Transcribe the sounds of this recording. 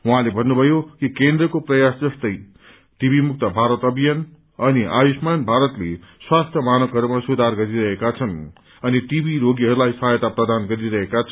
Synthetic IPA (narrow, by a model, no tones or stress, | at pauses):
waɦãlebʱʌnːubʱʌjokikend̪rʌkoprʌjasd͡zʌst̪ʌj | ʈibimuk̚t̪ʌbʱaɾʌt̪ʌbijʌn | ʌniʔa̰jusmanbʱaɾʌt̪leswast̪ʰjʌmanʌkɦʌɾumasud̪ʱarɡʌɾiɾʌɦekat͡sʰʌn | ʌniʈibiɾoɡiɦʌɾulajsʌɦajʌt̪aprʌd̪anɡʌɾiɾʌɦekat͡sʰ